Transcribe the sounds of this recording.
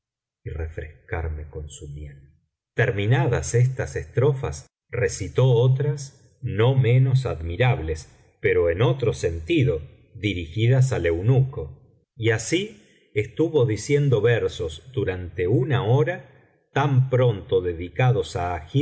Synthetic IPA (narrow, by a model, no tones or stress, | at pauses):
ire̞fɾeskaɾme̞ko̞nsumjel | t̪eɾmĩnaðasest̪asest̪ɾo̞fa̰s | resit̪o̞ot̪ɾas | no̞mẽ̞no̞s̬aðmiɾaβles | pe̞ɾo̞eno̞t̪ɾo̞se̞nt̪iðo̞ | ðiɾixiðas̬ale̞wnuko̞ | iasi | est̪uβo̞ðisje̞nd̪o̞βeɾsozd̪uɾant̪e̞unaoɾa | t̪ampɾo̞nt̪o̞ðeðikaðo̞saːxi